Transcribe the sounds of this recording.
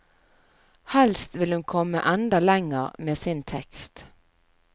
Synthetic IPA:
hɛlst̪ʋɪlhʉnkʰɔmːə̰ʔɑnd̪əlɛŋəʁmeːsɪnt̪ʰɛkst̪

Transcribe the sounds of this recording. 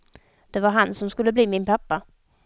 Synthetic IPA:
d̪̥ɛvaɾɦansɔmskɵlːəbliːmɪnpʰapːa

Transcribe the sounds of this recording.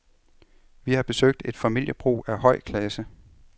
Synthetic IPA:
ʋihɑ̈b̥e̝søɡ̥̚d̥e̝d̥fæmil̰jəb̥ʁṵːæhɒ̽ɪ̰kʰlɛsə

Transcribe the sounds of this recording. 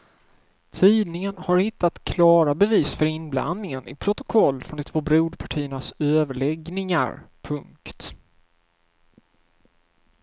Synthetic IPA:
t̪ʰiːd̪nɪŋənhaɾhɪt̪ːat̪kʰlɑːɾabɛviːsfœɾɪnbla̰nd̪nɪŋənɪ̰pʰɾʊt̪ʊ̥kʰɔlːfɾɔnd̪ɪt̪ʰv̥oːbɾuːd̪pʰaʈʰiːənasøːvəɭɛɡnɪŋa̰ɾpʰɵŋkt̪

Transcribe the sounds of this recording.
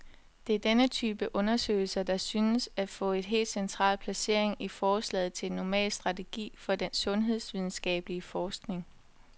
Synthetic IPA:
d̥e̝æɐd̥enət͡sʰyːb̥əʔɔ̽nɐsø̰ːɪl̩sɐd̥ɑ̈syːnəsæfɔ̰̽ːe̝d̥ɦe̝̰ːld̥sent͡sʰʁɑ̰̈ːlpʰlæse̝ɐ̰e̝ŋifɒːslɛ̰ːð̩ˠt͡sʰe̝nːɒmɛ̰ːlsd̥ʁɑ̈t͡sʰe̝ɡ̥ḭːfɒ̽d̥ensɔ̽nɦe̝ð̞ˠsʋið̞ˠn̩sɡ̥ɛ̰ːb̥əliəfɒːsɡ̥ne̝ŋ

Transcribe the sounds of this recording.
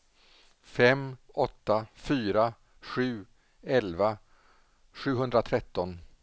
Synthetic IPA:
fɛm | ɔt̪ːafyːɾa | ɧʉ̟ː | ɛlva | ɧʉ̟ːɦɵnd̪ɾat̪ʰɾɛt̪ːɔn

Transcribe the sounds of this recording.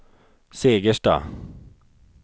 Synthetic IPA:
seːɡəʂʈɑ̰ː

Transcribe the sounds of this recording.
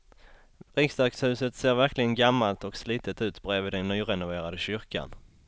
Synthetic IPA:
ɾɪksd̪akshʉ̟ːsət̪seːɾvæɾklɪɡənɡamːalt̪ɔksliːt̪ət̪ʉ̟ːt̪bɾeːvɪd̪ɛnːyːɾɛnʊveːɾad̪əɕʏɾka̰n

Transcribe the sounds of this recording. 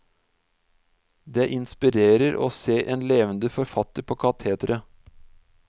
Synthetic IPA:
d̪eːʔɪnspɪɾeːɾəɾʔo̰ːseːʔeːnleːʋənd̪əfɔɾfɑt̪əɾpʰoːkʰɑt̪ʰeːt̪ɾʔə

